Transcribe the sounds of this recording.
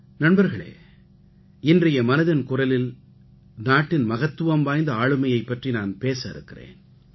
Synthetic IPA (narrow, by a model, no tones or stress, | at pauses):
nɐnbɐɾɣɐɭḛː | ɪndrɐjɐmɐnɐðɪnkʊrɐlɪl | naːʈːɪnmɐɣɐt̪ːɯʋɐmʋaːjnd̪ɐaːɭɯmɐjɐɪpːɐʈrinaːnpeːsɐɪɾɯ̰kːɪrḛːn